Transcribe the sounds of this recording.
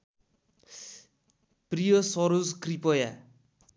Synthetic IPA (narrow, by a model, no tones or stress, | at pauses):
prijʌsʌɾud͡zkripʌja